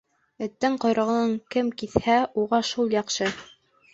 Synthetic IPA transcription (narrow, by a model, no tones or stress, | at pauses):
ɘ̆t̪ːɘɴqŏjɾɤ̆ʁɤ̆nɤŋkɘmkiθhæuʁɑʃulˠjɑqʃɤ